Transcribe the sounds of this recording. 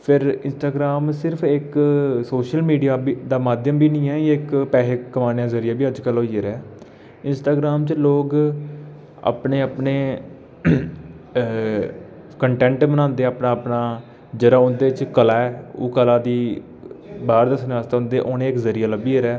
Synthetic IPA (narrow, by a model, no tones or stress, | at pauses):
pʰɪɾɪnsʈaːɡɾaːmsɪɾpʰɪksoːʃəlmiːɖijaːbid̪aːmaːd̪jəmbiːnĩːɛːɪkpɛːɦeːkːəmaːnejaːzəɾɪjaːbiːəd͡ʒkəloːiəɾɛː | ɪnsʈaːɡɾaːmt͡ʃloːɡ | a̰ːpneːapneː | kəɳʈɛ̃ːɳʈmənãːnd̪eːaːpnaːəpnaː | d͡ʒəɾaːʊnd̪eːt͡ʃkəlaːɛːo̰ːkəlaːd̪iː | baːɾd̪əsnːaːst̪aːɦʊ̃nd̪eːʔoːnẽːɪkzəɾijaːləbiːeɾɛː